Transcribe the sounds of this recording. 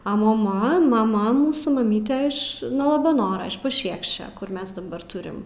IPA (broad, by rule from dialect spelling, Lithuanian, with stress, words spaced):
ɐ moːˈmɐ mɐˈmɐ ˈmuːsuː mɐˈmʲiːtʲɛ ˈɪʃ nuɔ lˠɐbɐˈnoːrɐ ɪʃ pɐˈʃʲiɛkʃʲt͡ʃʲɛ kʊr ˈmʲɛs dɐˈbɐr ˈtʊrʲɪm